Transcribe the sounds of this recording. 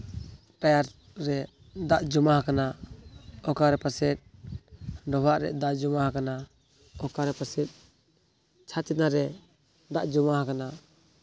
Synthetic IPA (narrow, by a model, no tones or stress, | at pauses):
ʈajaɾ | ɾɛ | d̪aʔd͡ʒɔmaɦakana | ɔkaɾɛpasɛt̪̚ˀ | ɖɔbaʔɾɛʔd̪aʔd͡ʒɔmahakana | ɔkaɾɛpasɛt̪̚ | t͡ʃʰat͡ʃɛnaɾɛ | d̪aʔd͡ʒɔmaɦakana